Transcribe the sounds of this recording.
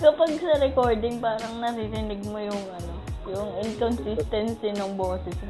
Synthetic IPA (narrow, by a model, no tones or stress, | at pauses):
kɐpɐɡ̚sɐɾɛko̞ɹd̪ɪŋpaːɾɐŋnɐɾiɾɪnɪɡ̚mojʊŋɐno̞jʊŋɪnkonsist̪ɐnsinʊŋboːsɪs